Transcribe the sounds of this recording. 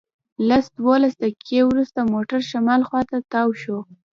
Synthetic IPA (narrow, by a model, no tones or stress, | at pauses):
lasd̪wolasd̪əkʰewɾust̪amoʈaɾʃamɑlxwɑt̪at̪ɑwʃo